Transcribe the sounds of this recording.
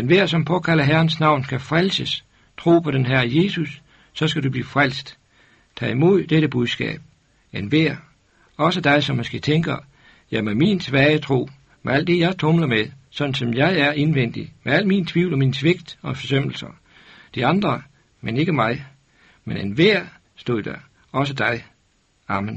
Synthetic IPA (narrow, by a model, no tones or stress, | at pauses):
enʋæɐ̰sɒ̽mpʰɒ̽kʰælɐɦæɐn̩snɑ̈ʊ̰nsɡ̥æfʁalsəs | t͡sʰʁo̝̰ːpʰɒ̽ɾ̥enɦæɐje̝susː | ɒ̽sɡ̥æd̥ub̥liːfʁal̰sd̥ | t͡sʰɛ̰ːimo̝ð̞̰ˠd̥eɾəb̥uðˠsɡ̥ɛ̰ːb̥̚ | enʋeɐ̰ | ɒ̽səd̥ɑ̈ɪsɒ̽mːosɡ̥e̝̰ːt͡sʰeŋɡ̥ɐ | jɑɪmæmint͡sʰʋɛːət͡sʰʁo̝̰ː | meæl̰d̥e̝jɑ̈ɪt͡sʰɔmlɐmeðsɒ̽d̥n̩sɒ̽mjɑ̈ɪæɐʔe̝nʋen̰d̥imeæl̰̥mint͡sʰʋiʊ̰lɒ̽minsʋe̝ɡ̥d̥ɒ̽fɒsøm̰l̩sɐ | d̥iɑ̈nd̥ʁɐ | mene̝ɡ̥əmɑ̈ɪ | menenʋæɐ̰ | sd̥o̝ð̰ˠd̥æɐ | ɒ̽s̬əd̥ɑ̈ɪ | ɑ̈mən